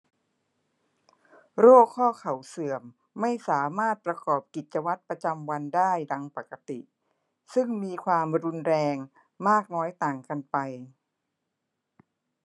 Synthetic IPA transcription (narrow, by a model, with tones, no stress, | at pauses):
ɾoː˥˩kʰːɔː˥˩kʰa˨˩˦wsɯ˨˩əmː | a˥˩jsaː˩˦maː˥˩t̪̚pɾa˧kɔː˨˩p̚ki˨˩t̪̚t͡ɕa˧wa˦˥t̪̚pɾa˧t͡ɕa˧mwa˧ndaː˥˩jda˧ŋpa˨˩kːa˧t̪ḭ˨˩ʔ | sɯ˥˩ŋmiː˧kʰwaː˧mɾu˧nɾɛː˧ŋ | maː˥˩k̚nɔː˦˥jt̪aː˨˩ŋka˧npa˧j